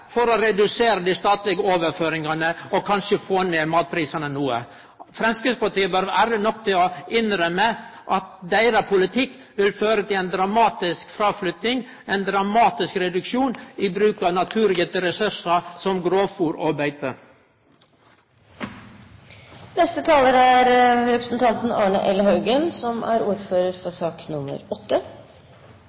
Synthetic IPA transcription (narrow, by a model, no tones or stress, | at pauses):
fɔɾɔɾɛd̪ʉseːɾəd̪iːst̪ɑːt̪lɪɡəoːʋəɾføːɾɪŋɑnəɔkʰɑnʃəfoːneːmɑːt̪̚pʰɾiːsɑnənuːə̰ | fɾɛmskɾɪspɑʈiːəbœɾʋæɾənɔk̚ːt̪ʰɪlɔɪnɾœməʔɑt̪̚d̪æɪɾɑpʰʊlɪt̪ʰɪkː | ʋɪlføːɾət̪ʰɪlɛɪnd̪ɾɑmɑːt̪ɪskfɾɑːflʏt̪nɪŋ | ɛɪnd̪ɾɑmɑːt̪ɪskɾɛd̪ʉkʃuːniːbɾʉːkɑʋnɑt̪ʰʉːɾlɪɡət̪əɾɛsʉʂɑsɔmɡɾoːfuːɾɑbæɪt̪ə | nɛst̪ət̪ʰɑːləɾææɾɾɛpɾəsn̩t̪ʰɑnt̪n̩ɑːɳəʔɛlːəhɑʉɡənsɔmʔæ̰ɾuːɾføːɾəɾfɔsɑːknʊmə̰ɾɔt̪ːə